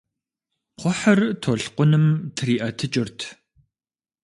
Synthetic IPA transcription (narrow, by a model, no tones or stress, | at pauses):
qʷɔħɐrtʰoɬqʷʊnɨmtʰriːʔɐtʰɨt͡ʃʼɪrtʰ